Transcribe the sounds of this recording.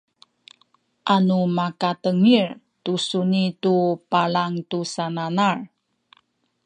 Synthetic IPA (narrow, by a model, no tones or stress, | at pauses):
ʔanumakatəŋir | tusunitupalaŋtusananar